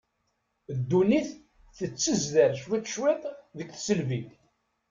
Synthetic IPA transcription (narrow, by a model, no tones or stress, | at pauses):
d̪ːuniθ | θət͡sːəzðæɾʃwit̪ʃwit̪ˤðəkθsəlvi